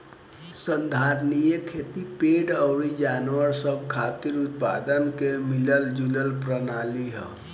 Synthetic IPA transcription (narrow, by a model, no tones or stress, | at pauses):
sənd̪ʱaɾnijəkʰet̪ipeɖəʊɾid͡ʒanwəɾsəb̚ʱkʰat̪iɾut̪̚pad̪ənkemiləld͡ʒuləlpɾənaliɦə̰̃